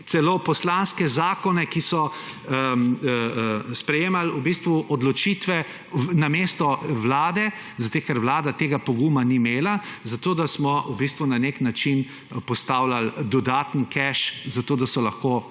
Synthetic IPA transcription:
t̪sɛlopɔslanskɛzaːkɔnɛkisɔ | spɾɛjeːmalubist̪ʋuʔɔd̪lɔt͡ʃit̪ʋɛ | nameːst̪ɔʋlaːd̪ɛ | zat̪ekɛɾʋlaːd̪at̪eːɡapɔɡumanimeːlazat̪oːd̪asmɔubist̪ʋunaneknat͡ʃin | pɔst̪awlald̪ɔd̪aːt̪nkɛʃzat̪oːd̪asɔlaxkoː

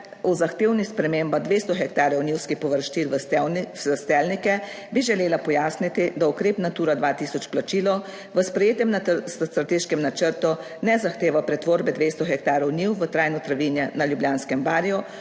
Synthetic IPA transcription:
uzaxt̪eːwnispɾɛmeːmbad̪ʋeːst̪ɔxɛk̚t̪aːɾjɔwniwskipɔʋəɾʃt͡ʃil | əst̪ɛlnikɛ | biʒɛleːlapɔjaːsnit̪id̪aukɾeːpnat̪uːɾad̪ʋat̪iːsɔt͡ʃplat͡ʃiːlɔ | ʋəspɾɛjeːt̪ɛmnasst̪ɾat̪eːʃkɛmnat͡ʃəɾt̪u | nɛzaxt̪eːʋapɾɛt̪ʋoːɾbɛd̪ʋeːst̪ɔxɛk̚t̪aːɾɔwniwʋət̪ɾajnɔt̪ɾaʋiːnjɛnaljubljaːnskɛmbaːɾijɔ

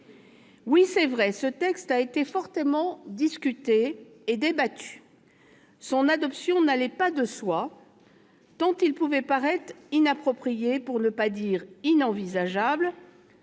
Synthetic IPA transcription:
wisɛvʁɛsət̪ɛkst̪aet̪efɔʁt̪əmɑ̃d̪iskʲyt̪eː | d̪ebat̪ʰy̥ | sɔ̃nad̪ɔpsjɔ̃nalɛpad̪əswa | t̪ɑ̃t̪ilpuvɛpaʁɛt̪χinapχɔpχijepuʁnəpad̪iʁinɑ̃vizaʒabl

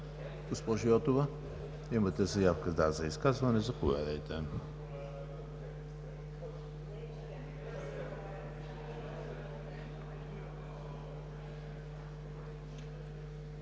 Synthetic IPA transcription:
ɡ̥ospɔʒiɔt̪ovə | imət̪ɛzɐjafkəzd̪azɐiskazvɐnɛzɐpovɛ̰d̪əjt̪ɛ

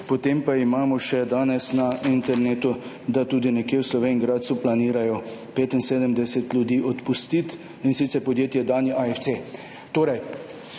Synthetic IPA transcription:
pɔt̪eːmpaimaːmɔʃɛd̪aːnɛsnaint̪ɛɾneːt̪u | d̪at̪uːd̪inɛkjewslɔʋeːnŋɡɾaːt̪suplaniːɾajɔpeːt̪inseːd̪əmd̪ɛsɛt̪lʲjud̪iːʔɔt̪pust̪it̪ | insit̪sɛɾpɔd̪jeːt̪jɛd̪aːnjiʔaɛft̪se | t̪oːɾɛj

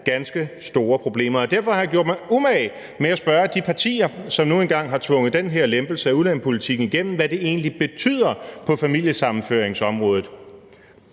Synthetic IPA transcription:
ɡ̥ænsɡ̥əsd̥o̝ːɐpʰʁo̝b̥le̝̰ːmɐɒ̽d̥æɐfɒ̽hɑ̈jɑ̈ɡ̥o̝ɐ̰d̥mɑɪumɛɪ | meæsb̥ɶɐd̥ipʰɑ̈t͡sʰḭːɐsɒ̽mno̝ːenɡ̥ɑ̈ŋ̰ɦɑ̈t͡sʰʋɔ̽ŋ̰ðˠd̥enɦeɐlemb̥l̩səæuðlænpʰo̝lit͡sʰiɡ̥n̩iɡ̥en̰m̩ʋæd̥e̝e̝̰ːnlib̥e̝t͡sʰy̰ð̰ˠɐpʰɒ̽fæmil̰jəsɑ̈mn̩føɐ̰eŋsɒ̽mʁɔ̽ːð̞̩ˠ

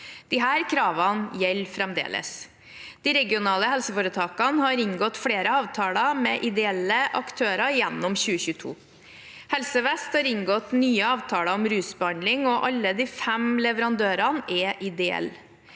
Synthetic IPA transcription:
d̪̥ɪɦæːɾkʰɾɑːʋɑnjɛlːfɾɛmd̪ḛːlə̰s | d̪̥ɪɾɛɡɪʊnɑːləhɛlsəfoːɾət̪ʰɑːkɑnhɑɾɪŋɡɔt̪fɽeːɾəɑːʋt̪ʰɑːlɑmɛʔɪd̪ɛɛlːəʔɑ̰kt̪ʰøːɾɑjɛnːɔmçʉːəçʉːt̪ʰṵː | hɛlsəʋɛst̪hɑːɾɪŋɡɔt̪nyːəɑːʋt̪ʰɑːlɑɔmɾʉːsbəhɑnd̪lɪŋɔʔɑlːəd̪iːfɛmlɛʋəɾɑnd̪øːɾɑnɛʔɪd̪ɛɛ̰l

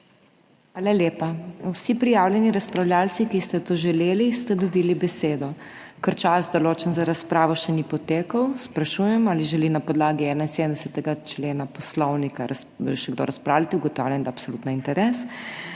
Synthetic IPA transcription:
xʋaːlaljeːpawsipɾijaːwljɛniɾaspɾawljaːlsikist̪ɛt̪oʒɛleːlist̪ɛd̪ɔbilibɛseːd̪ɔ | kəɾt͡ʃazd̪ɔloːt͡ʃənzaɾaspɾaːʋɔʃɛnipɔt̪eːkəwspɾaʃujɛmaːliʒɛlinapɔd̪laːɡiɛːnainsed̪əmd̪ɛsɛt̪ɛɡat͡ʃleːnapɔslɔwnikaɾaʃɛɡd̪o̰ɾaspɾaːwlat̪iuɡɔt̪awlʲjɛmnd̪aːpsolut̪naint̪ɛɾɛs

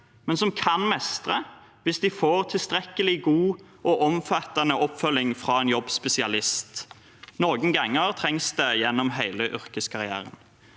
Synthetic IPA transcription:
mɛnsɔmkʰɑnmɛst̪ʁə | ʋɪsd̪ɪfoːʁt̪ʰɪlst̪ʁɛkːəlɪɡuː | ʔɔʔɔmfɑt̪ːənəʔɔpfœlɪŋfʁɑːeːnjɔbːspɛsɪɑlɪst̪ | noːɡənɡɑŋːəʁt̪ʰʁɛŋsd̪eːjɛnːɔmɦæɪləʔʏʁkəskʰɑʁɪæ̰ːʁə̰n

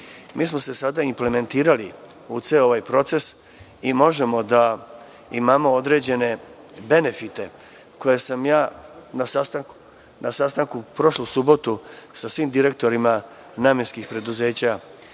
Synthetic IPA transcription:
mʔiːs̬mo̞se̞sad̪aimple̞me̞nt̪iːɾali | ut̪seo̞ʋajpɾo̞t̪se̞s | imo̞ʒe̞mo̞d̪a | imaːmo̞od̪ɾe̞d͡ʑe̞ne̞ | be̞ne̞fit̪e̞ | ko̞jesamjaːnas | nasast̪aŋkupɾo̞ʃlusubo̞t̪usasʋiːmd̪iɾe̞k̚t̪o̞ɾima | naːmjenskixpɾe̞d̪uze̞ːt͡ɕa

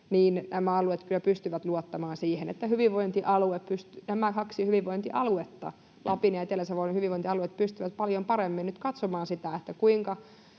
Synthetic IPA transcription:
niːnnʔæmæɑluet̪kylːæpyst̪yʋæt̪luot̪ːɑmɑːnsiːhenḛt̪ːæhyʋiʋʋoint̪iʔɑlueppyst̪ynæmækɑksihyʋiʋʋoint̪iʔɑluet̪ːɑ̰ | lʔɑpinɑet̪elːeseʋoinhyʋiʋoint̪iɑluet̪pyst̪yʋæt̪pɑljompɑɾemːinnyt̪kɑt̪somɑːnsit̪æet̪ːækuiŋkɑ

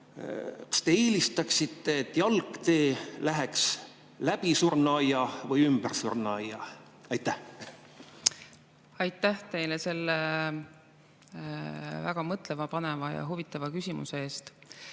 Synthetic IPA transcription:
kɑ̥st̪e̞eːlist̪ɑksit̪ːe̞ːt̪ːjɑlkːt̪e̞ːlæɦeks | læpisurnɑjɑvɤjymbərsṵrnɑjːɑ̰ | ɑjt̪ːæh | ɑjt̪ːæht̪e̞jlese̞lːe | væ̰ɡ̥ɑmɤt̪ˑlevɑpɑnevɑjɑ̰ɦuvit̪ːˑɑvɑkysʲimṵsee̞ːst̪

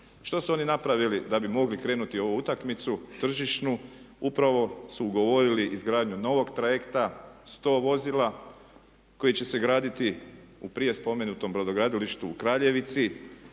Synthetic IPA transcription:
ʃt̪o̞suo̞ːninapɾaʋilid̪abimo̞ɡlikɾe̞ːnut̪io̞ʋuut̪akmit̪sut̪r̩ʒiʃnu | upɾaʋo̞suːɡo̞ʋo̞ɾiliʔizɡɾaːd̪ɲuno̞ʋo̞ɡt̪ɾaje̞kt̪ast̪o̞ːʋo̞zila | ko̞jit͡ɕe̞se̞ɡɾaːd̪it̪i | upɾije̞spo̞me̞nut̪o̞mbɾod̪oɡɾaːd̪iliʃt̪uːkɾaːʎe̞ʋit̪si

